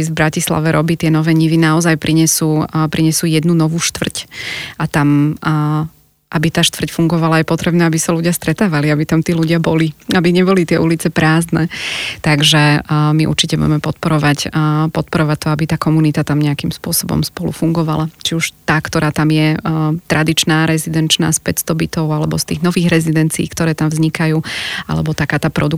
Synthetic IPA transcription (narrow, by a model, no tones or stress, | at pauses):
izbɾacisla̰ʋɛɾʔɔbiːt̪ɪɛnɔʋɛːɲiʋinaɔzajpɾʔiɲɛsuːpɾʔiɲɛsuːjɛd̪nunɔʋuːʃt̪ʋr̩cʔat̪am | ʔabit̪aːʃt̪ʋr̩cfuŋɡɔʋalajɛpɔt̪ɾɛbnɛːabisaluɟɪast̪ɾɛt̪aːʋaliabit̪amt̪iːluɟɪabɔliabiɲɛbɔlit̪ɪɛʔulit͡sɛpɾaːznɛt̪aɡʒɛmiʔṵɾt͡ʃicɛbṵɟɛmɛpɔt̪̚pɔɾɔʋacpɔt̪̚pɔɾɔʋac̚t̪ɔabit̪aːkɔmunit̪at̪amɲɛakimspʊɔsɔbɔ̰mspɔlṵfuŋɡɔʋa̰lat͡ʃiuʃt̪aːkt̪ɔɾaːt̪amjɛt̪ɾʔad̪it͡ʃnaːɾɛzid̪ɛnt͡ʃna̰ːspɛcst̪ɔbit̪ɔʊalɛbɔst̪iːɣnɔʋiːɣɾɛzid̪ɛnt͡sḭːkt̪ɔɾɛːt̪amvzɲikajuːa̰lɛ̰bɔt̪akaːt̪aːpɾɔd̪u